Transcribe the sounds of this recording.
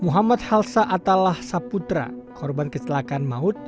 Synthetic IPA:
muɦamat̪̚halsaʔat̪alahsaput̪ɾa̰kʰɔrbankət͡ʃəlakanmaʊt̪̚

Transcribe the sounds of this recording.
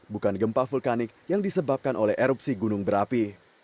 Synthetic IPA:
bukanɡəmpafulkanɪk̚jaŋdisəbap̚kanʔolɛhɛɾup̚siɡunʊŋbəɾapi

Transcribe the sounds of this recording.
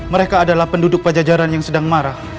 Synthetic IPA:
məɾekaːdalahpəndudʊk̚pad͡ʒad͡ʒaɾanjaŋsədaŋmaɾah

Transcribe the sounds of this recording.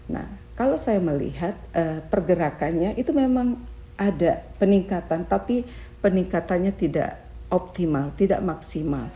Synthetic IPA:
na̰h | kalowsajaməlḭɦat̪̚ʔəpərɡəɾakanɲaʔit̪umemaŋ | ʔadapəniŋkat̪ant̪api | pəniŋkat̪anɲat̪ida̰ʔ | ɔp̚t̪imalt̪ida̰ʔmaksima̰l

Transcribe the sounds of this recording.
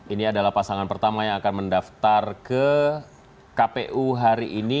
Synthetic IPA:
iniadalahpasaŋanpərt̪amajaŋakanməndaft̪arkə | kapeʔuɦaɾiʔini

